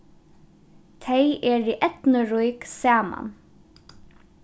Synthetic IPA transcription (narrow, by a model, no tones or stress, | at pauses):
t̪ʰɛjʔɛːɹiʔɛt̪nəɾujksaːma̰n